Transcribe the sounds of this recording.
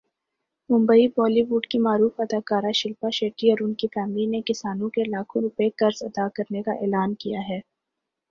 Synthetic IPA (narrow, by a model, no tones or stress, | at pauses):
mʊ̃mbəibɔːliʋuːɖkimaːɾuːfɐd̪aːkaːɾaʃɪlpaʃeːʈiɔːɾʊnkifɛːmlinekɪsaːnõkelaːkʰõɾʊpekɐɾzɐd̪akɐɾnekaʔɛ̰ːlaːnkijaɦɛː